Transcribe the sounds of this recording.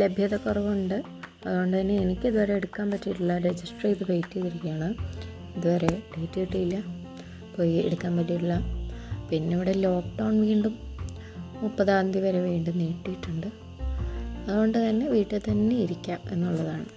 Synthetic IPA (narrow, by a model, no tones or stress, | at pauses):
lebʱjɐðɐkːurɐʋumuɳɖɨ | ɐðuɣo̞ɳɖɨt̪ɐnːe̞ːnikʲːiðuʋɐɾeeɽukːaːmpɐtːiuɭːɐɾed͡ʑisʈreːt̪ːɨbejtːiðiɾikʲːaːɳɨ | iðuʋɐɾe̞ɖejtːiiʈːuilːɐ | po̞ːjiḛɽukːaːmpɐtːiuɭːɐpinːe̞iʋiɽe̞lo̞ːk̚ɖɐwɳʋiːɳɖum | upːɐðaːnd̪ʱiʋɐɾeʋiːɳɖumniːʈːijiʈːuɳɖɨ | ɐðuɣo̞ɳɖɨt̪ɐnːe̞ʋiːʈːet̪ɐnːeiɾikʲːaːme̞̰nːuɭːɐðaːɳɨ